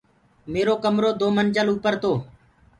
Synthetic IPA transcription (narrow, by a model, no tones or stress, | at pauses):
meːɾoːkəmɾoːd̪oːmənʲt͡ʃəluːpəɾt̪oː